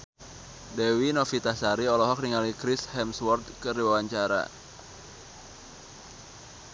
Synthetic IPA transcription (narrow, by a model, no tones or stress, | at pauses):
dɛwinɔfit̪asaɾiɔlɔɦɔk̚niŋalikɾishɛmswɔrt̪̚kəriwawaɲt͡ʃaɾa̰